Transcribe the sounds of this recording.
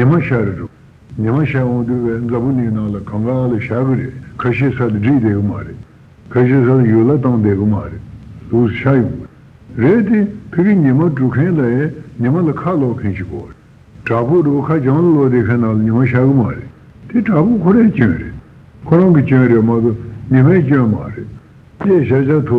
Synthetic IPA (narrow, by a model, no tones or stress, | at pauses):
ɲəmaɕaɾaʈ͡ʂu | ɲəmaɕaɦoŋd̪upend͡zapoliknɑŋlakɑŋɡalaɕaɡəɾeʔkʰaɕesʰad̪iɖ͡ʐid̪ekəmaɾḛʔ | kʰaɕʰeːs̬ʰalajolat̪ɑŋd̪ekəmaɾelosɕajoŋɡ | reʔt̪ekʰekiɲemaʈ͡ʂukʰẽnlajɲemalakʰaloʔkʰenɕʰiko | ʈ͡ʂapodokʰat͡ɕɑŋlalod̪ekʰẽnnɑŋlaɲimaɕakəmaɾḛʔ | t̪eʈ͡ʂapokʰoɾet͡ɕønɾḛʔ | kʰoɾɑŋkit͡ɕønɾemat̪oɲemat͡ɕøma̰ɾḛʔ | t̪eɕat͡ɕat̪ʰo